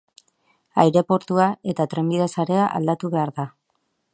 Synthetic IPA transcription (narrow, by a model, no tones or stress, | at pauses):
ajɾe̞po̞ɾt̪uae̞t̪at̪ɾe̞mbiðasaɾe̞aʔa̰ld̪at̪uβe̞aɾða